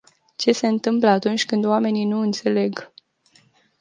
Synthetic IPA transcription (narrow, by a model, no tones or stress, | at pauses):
t͡ʃe̞se̞ɨnt̪ɨmpləat̪unt͡ʃʲkɨnd̪oame̞ninuɨnt̪se̞le̞ɡ